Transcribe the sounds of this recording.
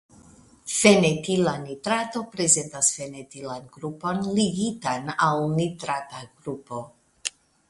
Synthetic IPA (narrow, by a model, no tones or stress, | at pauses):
fe̞netilanitɾato̞pɾe̞ze̞ntasfe̞netilanɡɾupo̞nliɡitanawnitɾataɡɾupo̞